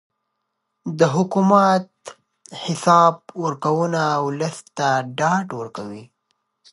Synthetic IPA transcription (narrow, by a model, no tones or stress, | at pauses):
d̪əɦʊkumat̪̚ | hɪsɑb̚wəɾkawunaːwləst̪aɖɑɖwəɾkawi